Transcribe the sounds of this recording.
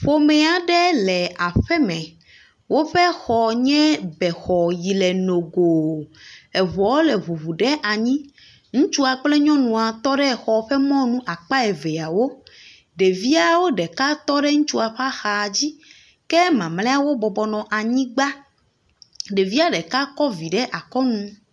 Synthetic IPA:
ɸo˨mɛ˦a˨ɖɛ˦lɛ˨a˨ɸɛ˦mɛ̃˨ | wo˦ɸɛ˦xɔ˨ɲɛ̃˦bɛ˨xɔ˨ji˨lɛ˨no˨ɡo˨ | ɛ˨βɔ˨wo˦lɛ˨βu˨βu˨ɖɛ˦ʔa˨ɲĩ˦ | ŋũ˦t͡ʃu˦a˨k͡plɛ˦ɲɔ̃˦nũ˨a˨t̪ɔ˦ɖɛ˦˨xɔ˨ɸɛ˦mɔ̃˦nũ˦ʔa˨k͡pa˦ɛ˨ve˨a˨wo˦ | ɖe˨vi˦a˨wo˦ɖɛ˨ka˦t̪ɔ˦ɖɛ˦ŋũ˦t͡ʃu˦a˨ɸa˦xa˨d͡ʑi˦ | kɛ˦mã˨mlɛ˦a˨wo˦bɔ˨bɔ˨nɔ̃˨ʔa˨ɲĩ˦ɡ͡ba˦ | ɖe˨vi˦a˦ɖɛ˨ka˦kɔ˦vi˨ɖɛ˦ʔa˨kɔ˦nũ˦

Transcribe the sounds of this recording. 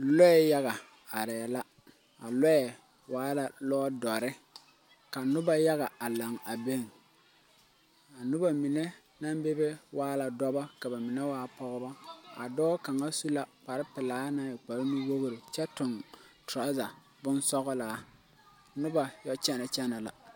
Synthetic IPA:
lɔ˦ɛ˨ja˦ɣa˨ | a˨ɾɛ˨la˦ | a̰˨lɛ˦ɛ˨ | waː˨˦la˨lɔː˦dɔ˨ɾɪ˦ | ka˨nʊ˦ba˦ja˦ɣa˨a˨la˨ŋa˨be˦ŋ | a˨nʊ˦ba˨mi˨ne˦ | na˦mbe˦be˦wʔaː˦la˨dɔ˦ba˦ka˨ba˨mɪ˨nɛ˦waː˦pɔ˦ɣɔ˦ba˦a̰˨dɔː˦ka˨ŋa˦su˦la˦k͡pa˨ɾɪ˦pɪ˨laː˨˦na˨ɪ˨k͡pa˨ɾni˦wo˦ɣɾɪ˨t͡ʃɛ˦tʊ˨ntɾa˨˦za˨ | bʊ˦nsɔ˦ɣɔ˦la˨˦ | nʊ˦ba˨jɔ˦t͡ʃɛ˦na˨t͡ʃɛ˦na˨la̰˨

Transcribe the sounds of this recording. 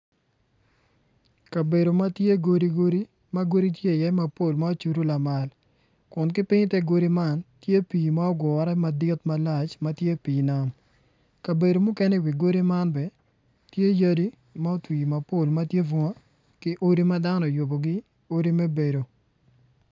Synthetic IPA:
ka˨be˨ɾo˨ma˦tje˦ɡo˦ɾi˦ɡo˦ɾi˦ | mɐ˦ɡo˦ɾi˦tje˦˨jɛ˦ma˨po˦˨lma˦o˦t͡ʃu˨ɾu˦la˨ma˨l | kʊ˨nk̬ɪ˦pɪ˦ɲtɛ˦ɡo˦ɾi˦ma˦˨ntje˦piː˨ma˦ɔ˦ɡwɔ˨ɾɛ˦ma˨dɪ˦tma˦la˨t͡ʃmɐ˦tje˦piː˨na˦m | ka˨be˨do˨mʊ˦kɛ˦nɛ˦˨wi˨ɡo˦ɾi˦ma˦nbɛ˨ | tje˦ja˦di˦ | ma˦o˦twi˨ma˨po˦˨lmɐ˦tje˦vu˦ŋa˦ | kɪ˦ʔo˦ɾi˦ma˦da˦nɔ˨jo˨bo˨ɡɪ˦ | o˦ɾi˦me˦be˨do˨

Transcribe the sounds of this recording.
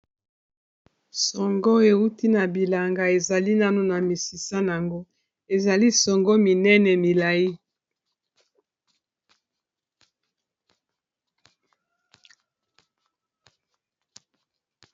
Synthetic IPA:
sɔ˨ŋɡɔ˦e˨u˦ti˦na˨bi˨la˨ŋɡa˨e˨za˨li˦na˦no˨na˨mi˨si˨sa˦n˨a˨ŋɡo˦ | e˨za˨li˦sɔ˨ŋɡɔ˦mi˨nɛ˦nɛ˨mi˨la˨ji˦

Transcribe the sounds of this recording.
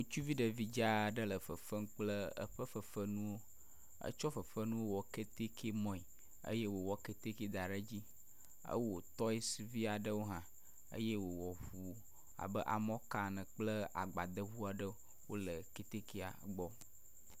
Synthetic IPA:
wo˦t͡ʃu˦vi˦ɖə˨vi˦d͡ʒa˦˨ɖə˦lə˨fə˨fə˦ŋ˦k͡plə˦ə̰˦ɸə˦fə˨fə˦nũ˦wo˦ | ə̰˦t͡ʃɔ˦fə˨fə˦nũ˦wo˦wɔ˨ke˦t̪e˦kʰe˦mɔ̃˦i˨ | ə̰˦je˦wo˨wɔ˦ke˨t̪e˦ke˦d̪a˨ɖə˦d͡ʑi˦ | ə̰˦wo˨t̪ɔ˦i˦svi˦a˨ɖə˦wo˦ɦã˨ | ə̰˦je˦wo˨wɔ˨ɸu˨ | a̰˨bə˦ʔa̰˨mɔ̃˦ka˦nə̃˨k͡plə˦a̰˨ɡ͡ba˨d̪ə˦ɦu˦a˨ɖə˦ | wo˦lə˨ke˦t̪e˦ke˦a̰˨ɡ͡bɔ˦

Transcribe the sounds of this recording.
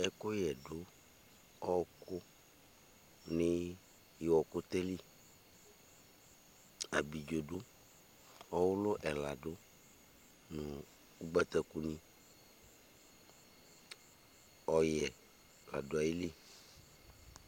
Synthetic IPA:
ɛ˨ko˦jɛ˨ɖo˦ | ɔ˦˨ko˦ | ne˦ | je˨wɔ˨ko˦t̪e˦li˦˨ | a˨bi˨d͡ʒo˨ɖo˦ | ɔ˦wo˦lo˦ʔɛ˨la˨ɖo˦ | nũ˨ | u˦ɡ͡bɛ˦t̪ɛ˦ku˦nĩ˦ | ɔ˦jɛ˨ | la̰˨do˨a˨ji˦li˦

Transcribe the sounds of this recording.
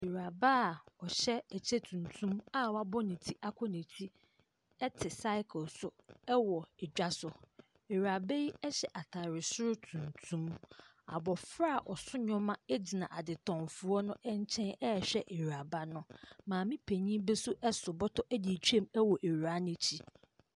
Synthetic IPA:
e˨ɾa˨ba˦˨ɔ˨ɕɛ˦æ˨t͡ɕʰe˦tʰũ˨ntʰũ˦ma˦wa˦bɔ˦nɪ̃˨tʰi˦ʔa˦kʷʰɔ˦nĩ˨tʰi˦ | ɛ˦tʰɪ˨sa˦ɪ˦kʰʊ˨lsʊ˨ɛ˦wɔ˨ɛ˨d͡ʑᶣa˦sʊ˨ | e˨ɥa˨be˦ji˦ɛ˦ɕɛ˨ʔa˨tʰa˨ɾɪ˨sʊ˦ɾʊ˦tʰũ˨ntʰũ˦m | a̰˨bɔ˨fɾa˦˨ʔɔ˨sʊ˦ɲɔ̃˦mã˦ɛ˦d͡ʑi˨nã˨ʔa˨dɪ˨tʰɔ̃˨mfʊ˨ɔ˦nʊ̃˦ʔɛ˦ɲ˦t͡ɕʰɛ̃˦nɛ˦ɛ˨ɕᶣɛ˦ʔe˨ɾa˨ba˦nʊ̃˦mãː˨mĩ˦pʰe˨ɲĩ˦bɛ˦sʊ˦ʔɛ˦sʊ˨bɔ˦tʰɔ˦ʔæ˦di˨t͡ɕʰᶣu˦e˦˨mɛ˦wɔ˨ʔe˨a˦nɪ̃˦t͡ɕʰi˦

